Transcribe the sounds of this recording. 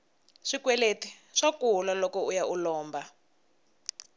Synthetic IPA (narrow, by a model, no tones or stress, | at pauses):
ʂikwɛleti̥ | ʂakulalɔkɔujaʔulɔːmba